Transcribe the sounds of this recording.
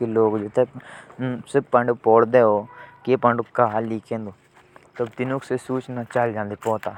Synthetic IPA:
eloːɡd͡ʒot̪ʰe | sɪɾpɐ̃ɳɖpɔːɽd̪eoːkepəɳɖkaɦaliːkẽːnd̪o | t̪ɐbt̪ɪnuksesuːt͡ʃnat͡ʃaːld͡ʒãːnd̪epɔːt̪aː

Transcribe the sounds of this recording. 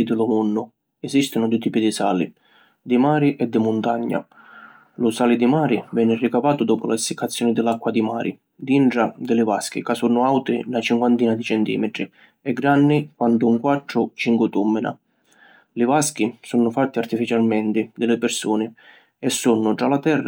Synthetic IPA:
d̪ɪlʊmunːʊ | ɛzist̪ɪnʊd̪ut̪iːpid̪isaːlḭ | d̪ɪmaːɾiʔɛd̪ːɪmʊnt̪aɲːa̰ | lʊsaːlɪd̪ɪmaːɾɪvɛːnɪrikavaːt̪ʊd̪ɔːpʊlasːɪkːat̪sːjɔːnɪd̪ɪlːakːwad̪imaːɾʔɪ̰ | d̪iɳʈɾad̪ɪlɪvask̟ḭkasunːʊawt̪ɪnat͡ʃiŋkwant̪iːnad̪it͡ʃɛnt̪ḭːmɪt̪ɾi | ɛɡɾanːikwand̪ʊuŋkwat̪ːɾʊt͡ʃiŋkwɪt̪umːɪna̰ | lɪvask̟isɔnːʊfat̪ːɪart̪ifit͡ʃalmɛnt̪ɪd̪ɪlɪpɪɾsuːnɪ | ɛsːunːʊʈ̪ɾalat̪ɛrːa

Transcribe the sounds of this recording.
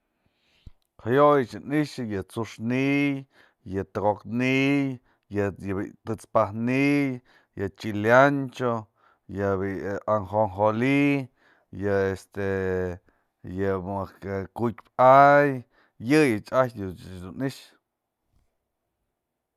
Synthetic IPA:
hajojɨt͡ʃɨniʃɨjɨt͡suʂniʔj | jɨt̪ɨɣoknij | jɨjbḭt̪ɨt͡spahnij | jɨt͡ʃiljant͡ʃo | jɨbiaŋxoŋxoli | jɨest̪e | jɨmɨkkukʲpaj | jɨjɨt͡ʃajd̪ud̪uniʃ

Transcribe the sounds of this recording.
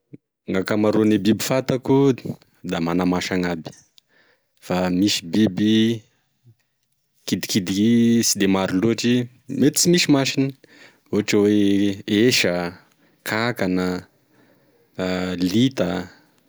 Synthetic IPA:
ŋakamaɾonebibifat̪aku | d̪amanamaʃaŋabi̥ | famisi̥bibi | kid̪i̥kid̪isid̪emaɾiluaʈ͡ʂi | met̪i̥t͡simisimaʃinə | uɦaʈ͡ʂəweeʃə | kʰakanə | lit̪a

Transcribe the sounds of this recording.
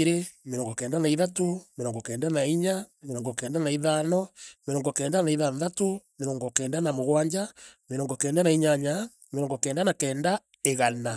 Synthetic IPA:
ɾemeɾɔːŋɡɔkɛːndanaiðatomeɾɔːŋɡɔkɛːndanaiɲameɾɔːŋɡɔkɛːndanaiðanɔmeɾɔːŋɡɔkɛːndanaiðanðatomeɾɔːŋɡɔkɛːndanamoɣwaːɲd͡ʒameɾɔːŋɡɔkɛːndanaiɲaɲa | meɾɔːŋɡɔkɛːndanakɛːnda | eɣana

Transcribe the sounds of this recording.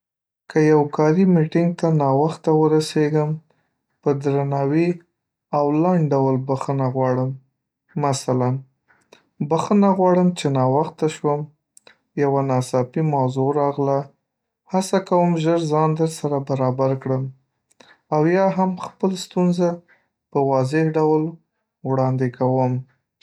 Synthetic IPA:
kəjawkɑɾimiʈɪŋɡ̚t̪anɑwaxt̪awəɾaseɡəm | pəd̪ɾanɑwi | awlaɳɖɖawəlbaxənaɣwɑɽəmː | asalan | baxənaɣwɑɽəmt͡ʃenɑwaxt̪aʃwəm | jawanɑsɑpimawzoɾɑɣla | hasakawəmʒəɾzɑnd̪əɾsaɾabaɾɑbaɾkɽəm | awjɑɦamxpəlst̪unza | pəwɑzɪhɖawl | wɽɑnd̪ekʰawəm

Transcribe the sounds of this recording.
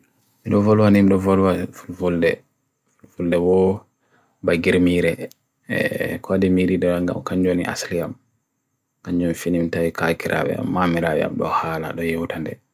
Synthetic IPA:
miɗɔvɔlwanimɗɔvɔlwafulfuldɛ̰ | fulfuldɛwɔ | baɡiɾmiɾɛ̰ | kadɛmiɾiɗaŋɡa̰mkaɲd͡ʒoniʔa̰sliam | kaɲd͡ʒonifinimtaikakiɾʔa̰wɛ̰a̰mːamiɾawɛ̰a̰mɗɔ̰haːlaɗɔjewtandɛ

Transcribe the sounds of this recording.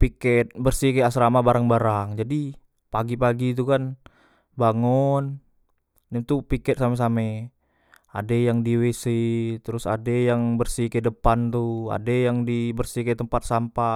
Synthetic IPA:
pikɛt̪̚bərsikaasɾamabaɾaŋbaɾaŋd͡ʒadi | paɡipaɡit̪̬ukan | baŋun | dɛmt̪upikɛt̪̚sames̬amɛ | adejaŋdiwesit̪əɾʊsa̰dejaŋbərsikɛdəpant̪ua̰dejaŋdibərsikɛt̪əmpat̪̚sampa

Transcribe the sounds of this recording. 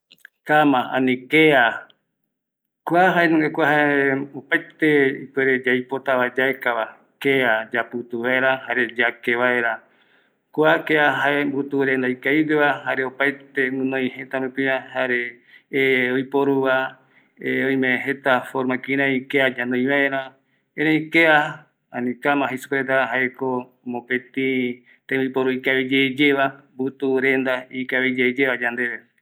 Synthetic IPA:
kamãã̰nĩkea | kʷaɦaenũŋɡekʷahaeopajt̪eipeɾed͡ʒajpot̪aβad͡ʒaekaβa | kead͡ʒapɨt̪uβaeɾahaɾe̞d͡ʒakeβae̞ɾa | kʷakeaɦaembut̪uɾend̪ajkaideβaɦaɾeopajt̪emɨ̃nõĩɦẽt̪aɾũpĩɾãhaɾe | ojpoɾuβa | eoj̃mẽɦet̪afoɾmãkiɾãikead͡ʒãnõj̃βaeɾã | ẽɾãĩkea | ãnĩkamãhesu̥kɾet̪aɦaeko | mõpet̪ĩ | t̪ẽipoɾuikaβid͡ʒed͡ʒeβambut̪uɾẽnd̪aikaβid͡ʒed͡ʒeβad͡ʒand̪eβe

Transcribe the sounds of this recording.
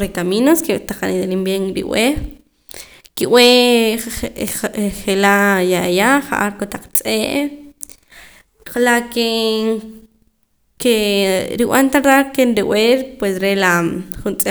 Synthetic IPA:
ɾekaminosket̪aχaɾid̪elimbjeŋɾḭw̰e | kiʔw̰ʔe | χelajajaχa̰ʔaɾkot̪aq͡χt͡sʼeːʔ | qalaʔke | keɾiw̰ant̪aɾd̪aɾkenɾiweɾpwesɾelaχunt͡sʼe

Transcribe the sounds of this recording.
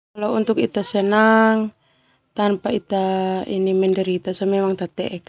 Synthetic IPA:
kalɔunt̪ukit̪asɛnaŋ | t̪anpait̪aḭnimɛndɛɾit̪asɔmɛmaŋt̪at̪ɛ̰ʔɛk

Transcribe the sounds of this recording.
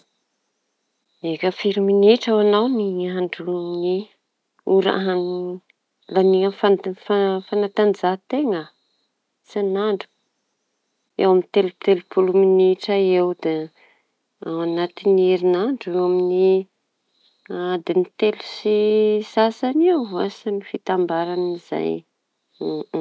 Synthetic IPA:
ekəfiɾiminiʈ͡ʂawanawniaɳɖ͡ʐuni | uɾa̰ani | laniŋəfafafanat̪and͡zat̪eŋə | sanaɳɖ͡ʐu̥ | ewamint̪elut̪elupuluminiʈ͡ʂaewd̪e | awanat̪inieɾinaɳɖ͡ʐewamini | ad̪enit̪elusisasanewvua̰samifit̪ambaɾaniz̥a̰j

